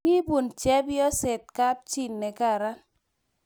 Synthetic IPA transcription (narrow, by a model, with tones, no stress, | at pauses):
i˦bu˨nt͡ʃɛ˦bjɔ˦se˨t̚ka˦p̚t͡ʃi˦˨nːɛ˨ka˦˨ɾa˦